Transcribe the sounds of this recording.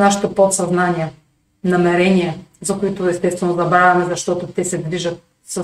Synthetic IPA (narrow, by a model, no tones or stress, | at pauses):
naʃi̥t̪əpot̪sɐznaniɐ | nɐmɛɾɛniɐzɐkoit̪oɛst̪ɛst̪vɛnozɐbɾavʲɐmɛzɐʃt̪ɔt̪ot̪ɛsɛd̪viʒɐt̪̚ | sɐ